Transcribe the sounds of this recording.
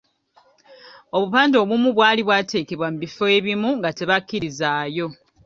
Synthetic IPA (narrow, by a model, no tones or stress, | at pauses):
oβupaːndo̞ːβumuβwaːliβwaːtʰe̞ːke̞βwamuβifo̞e̞βimuŋɡate̞βakːiɾizaːjo̞